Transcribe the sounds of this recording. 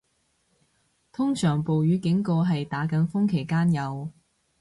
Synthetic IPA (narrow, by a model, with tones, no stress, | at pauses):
t̪ʰʊ˥ŋsœː˨˩ŋpo˨wjyː˨˧kɪ˨˥ŋkoː˧ɦɐ˨jt̪aː˨˥kɐ˨˥nfʊ˥ŋkʰe˨˩jkaː˥njɐ˨˧w